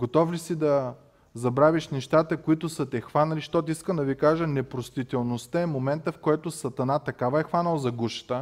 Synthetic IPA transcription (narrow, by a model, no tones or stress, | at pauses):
ɡot̪ɔflisid̪ɐ | zɐbɾaviʃnɛʃt̪at̪əkoit̪ʊsət̪ɛxvanɐliʃt̪ɔt̪iiskəmd̪ɐvikaʒənɛpɾost̪it̪ɛlˠnost̪əɛmomɛnt̪əfkɔjt̪ʊsɐt̪ɐnat̪ɐkavɐɛxvanəlˠzɐɡuʃə̥t̪ə